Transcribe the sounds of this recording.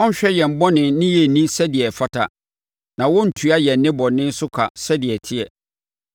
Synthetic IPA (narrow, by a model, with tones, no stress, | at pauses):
ɔ̃˦n̩˦ɕᶣɛ˦jɛ˨m̩˨bɔ̃˦nɪ̃˨nɪ̃˦jɛ˨nĩ˦sɛ˦dɪ˨ɛ˨fa˦tʰa̰˨ | nã˨wʊ̃˦n̩˨tʰu˨a˦jɛ˨˦nɪ̃˦bɔ˨nɪ̃˦n̩˦sʊ˦kʰa̰˨sɛ˦dɪ˨ɛ˨tʰɪ˦ɛ˨